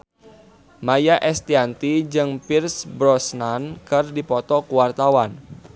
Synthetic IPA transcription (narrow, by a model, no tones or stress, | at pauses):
majaʔɛst̪iant̪id͡ʒɨŋpirsbɾɔsnankərdipɔt̪ɔkuwart̪awan